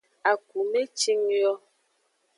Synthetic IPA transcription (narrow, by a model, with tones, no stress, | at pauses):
a˨ku˨me˦t͡ʃi˦ŋjɔ˦